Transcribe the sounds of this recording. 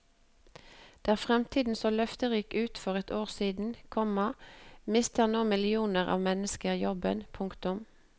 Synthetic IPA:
d̪̥æːʁfʁɛmt̪ʰiːd̪n̩soːlœft̪əʁiːkʉːt̪fɔʁɛt̪oːʁsiːd̪n̩kʰɔmɑmɪst̪ʰəʁnoːmɪlɪuːnəʁɑ̰ːʋmɛnəskəʁjɔbə̰npʰʊŋkt̪ʊm

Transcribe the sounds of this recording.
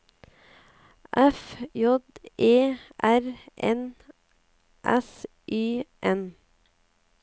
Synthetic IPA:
ʔɛfjɔd̪ʔeːʔæɾʔɛ̰n | ʔɛs | ʔyːʔɛn

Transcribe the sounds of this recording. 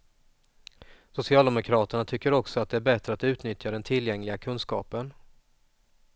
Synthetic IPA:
sʊsɪɑːld̪ɛmʊkʰɾɑːt̪əɳat̪ʰʏkːəɾɔksɔat̪̚d̪ɛæɾbɛt̪ɾəat̪ʉ̟ːt̪nʏt̪jad̪ɛnt̪ʰɪljɛŋlɪɡakʰɵnskɑːpən

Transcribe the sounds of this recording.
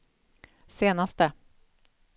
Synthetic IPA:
seːnast̪ə

